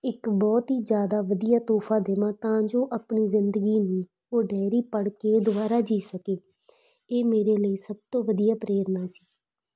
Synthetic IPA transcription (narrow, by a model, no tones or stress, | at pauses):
ɪkbɔːt̪ɦiːzjaːd̪aːʋəd̪ijaːt̪oːpʰaːd̪eːmãːt̪ãːd͡ʒoːʔapɳiːzɪnd̪əɡiːnũː | oːɖɛːɾiːpəɽkeːd̪ʊbaːɾaːd͡ʒiːsəkeː | eːmeːɾeːləiːsəb̚t̪õːʋəd̪ijaːpɾeːɾnaːsi̥ː